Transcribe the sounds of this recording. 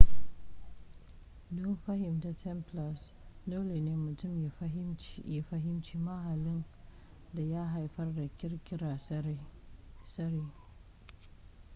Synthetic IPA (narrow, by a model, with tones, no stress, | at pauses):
dʊ˦nɸa˦hɪ˨mta˨tʰɛ˦mpla˨s | doː˦le˨neː˦mʊ˨tʊ˦˨mjja˨ɸa˦ɦɪ˦mt͡ʃiː˦ma˦ha˨lɪ˦n | da˨ja˦ɦa˨jɸɐ˦rda˨kʲɪ˦ɾkʲɪ˦ɾa˨ | sɐ˦ɾiː˦